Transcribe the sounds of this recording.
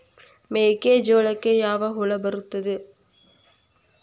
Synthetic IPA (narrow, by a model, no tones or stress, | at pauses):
meːked͡ʒoːlɐkːeːjaːʋaːɦʊɭɐbɐɾɯt̪ːɐðɯ